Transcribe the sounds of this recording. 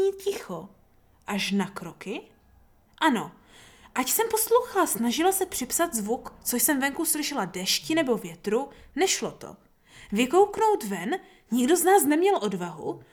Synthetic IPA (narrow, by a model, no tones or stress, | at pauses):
iːcɪxo̞ | ʔaʃnakɾo̞kɪ | ʔano̞ | ʔacsɛmpo̞slowxalasnaʒɪlasɛpr̥ɪpsat̪zvukt͡soʃsɛmvɛŋkuslɪʃɛladɛʃcɪnɛbo̞vjɛt̪ɾunɛʃlo̞t̪o̞̰ | vɪko̞wkno̞wt̪vɛn | ɲɪɡdo̞znaːsnɛmɲɛlʔo̞dvaɦṵ